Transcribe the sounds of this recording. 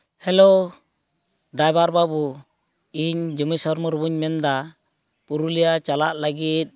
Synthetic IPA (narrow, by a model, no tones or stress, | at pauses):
hɛlo | dajbaɾbabu | iɲd͡ʒumisɔɾmɔɾubuɲmɛnd̪a | puɾulijat͡ʃala̰ʔlaɡit̪̚